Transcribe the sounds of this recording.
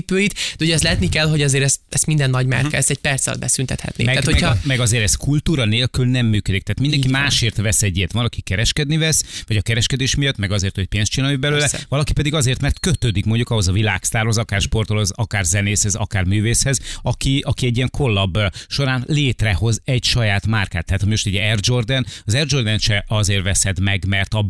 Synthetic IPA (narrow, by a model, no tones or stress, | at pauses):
pøːjit̪d̪ɛuoɟɛst̪lɛɛt̪nikɛlɦo̞ɟɒzeːɾɛst̪ɛst̪mind̪ɛnːɒɟma̰ːɾkɛsɛc̚pɛrt̪sɒ̰l̚bɛsynt̪ɛt̪hɛ̰t̪nḭmɛat̪homɛmɛɡɒzeːɾɛskult̪uːɾɒneːlkylnɛmːyːkød̪ikt̪aːt̪mind̪ɛŋkiimaːʃeːrt̪ʋɛsɛɟːet̪ʋɒnɒkikɛɾɛʃkɛd̪nivɛsvɒɟɒkɛɾɛʃkɛd̪eːʃmijɒt̪ːmɛɡɒzeːrt̪ho̞c̚peːnst̪t͡ʃinaːibɛløːlɛvɒlɒkipɛd̪iɡɒzeːrt̪mɛrt̪køt̪øːd̪ikmo̞ɲɟukɒɦo̞zɒvila̰ːkst̪aːrho̞zɒkaːrʃpo̞rt̪olozɒkaːrzɛneːshɛzɒ̰kaːrmyːveːshɛzɒkiɒkiɛɟːijɛŋkʰo̞lːɒbʃo̞ɾaːnleːt̪rɛho̞zɛɟʃɒjaːt̪markaːt̪ːɛɦaːt̪hɒmimoʃt̪ɛɟɛrd͡ʒo̞rd̪ɛnɒzɛrd͡ʒo̞rd̪ɛnʃɛʔɒzeːrvɛsɛd̪mɛɡmɛrt̪ɒ